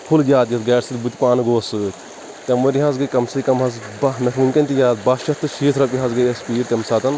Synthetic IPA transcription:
pʰuld͡ʒʲaːt̪jɐt̪ɡɐːɾsit̪but̪ʲipaːnɨɡoːsɨ | t̪ʲɐmʋɐɾʲiɦazɡɐjkɐmsɐkɐmɦɐzbɐnɐfʰɨnʲkɐnʲt̪ʲijaːt̪̚bɐʃɐt̪ːɨʃiːt̪ʰɾɐpʲiɦɐzɡɐjɐspiːɾt̪ʲɐmsaːt̪ɐn

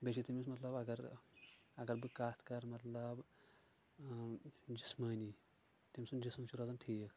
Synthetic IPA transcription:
beʃit̪imismɐt̪lɐbɐɡɐɾ | ɐɡɐɾbikast̪kɐɾmɐt̪lɐb | d͡ʒismani | t̪imisund͡ʑismt͡ʃiɾod͡zanʈʰik

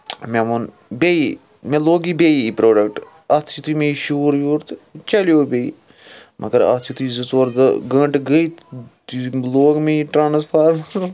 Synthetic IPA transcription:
memon | bei | mẽloːɡibeiipɾoːɖɐk̚ʈ | ɐt̪ʰit̪ʰuimẽiʃuːɾjuːɾt̪t͡ʃɐljoːbeḭ | mʔɐ̰ɡəɾɐ̰t̪ʰit̪ʰuizɨt͡soːɾd̪ɡə̃ɳʈɡəit̪ | loːɡmẽiʈɾaːnspʰaːɾmɐɾ

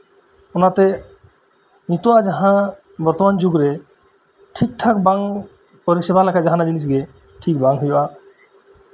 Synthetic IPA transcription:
ɔnat̪ɛ | nit̪oad͡ʒaɦã | bɔɾt̪ɔmand͡ʒuɡɾe | ʈʰik̚ʈʰakbaŋ | pɔɾisebalakʰad͡ʒaɦanad͡ʒinis̬ɡe | ʈʰik̚baŋɦujoʔa

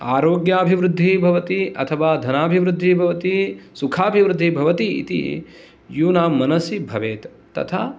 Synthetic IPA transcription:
aːɾoːɡjaːbʱiʋɾud̪ʱːibʱɐʋɐt̪iɐ̰t̪ʰɐʋaːd̪ʱɐnaːbʱiʋɾud̪ʱːibʱɐʋɐt̪isukʰaːbʱiʋɾʊd̪ʱːibʱɐʋɐt̪iḭt̪ḭ | juːnaːmːɐnɐsibʱɐʋeːt̪ːɐ̰t̪ʰaː

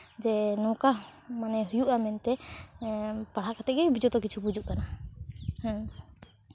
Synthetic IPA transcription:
d͡ʒɛnɔ̃wkamanɛɦujuʔamɛnt̪ɛ | paɽ̤akat̪ɛʔɡɛjbid͡ʒɔt̪ɔk̬it͡ʃʰubud͡ʒuʔkana | h

